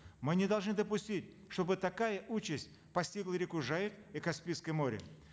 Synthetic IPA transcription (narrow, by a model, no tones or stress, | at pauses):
mɨnʲɪd̪ɐlˠʐnɨd̪əpʊsʲtʲitʲ | ʂt̪o̞bɨt̪ɐkajəʔut͡ɕɪsʲtʲ | pɐsʲtʲiɡlˠəɾʲɪkʊʐajɪt̪ikɐspʲiskəjmo̞ɾʲɪ̰